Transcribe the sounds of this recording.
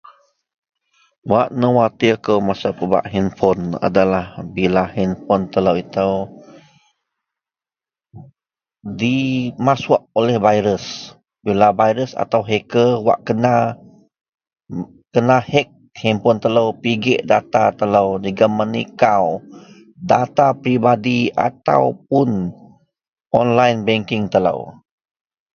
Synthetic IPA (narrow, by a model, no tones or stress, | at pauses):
waʔnəwat̪iəkəwmasapəba̰ʔɦinfɔna̰dalahbilahinfɔnt̪ələwit̪əw | dimasʊʔ̚olɛhvajɾəs | bilabajɾəsa̰t̪awɦekəwa̰ʔkəna | kənahɛk̚hɛmpʊnt̪ələwpiɡɛʔdat̪at̪ələwd͡ʒiɡəmənḭkaw | dat̪apɾibadia̰t̪a̰wpʊn | ʔɔnlajnbɛŋkɪŋt̪ələ̰w